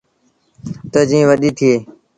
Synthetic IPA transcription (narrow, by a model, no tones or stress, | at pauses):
t̪əːd͡ʒĩːʋəɗiːt̪ʰɪeː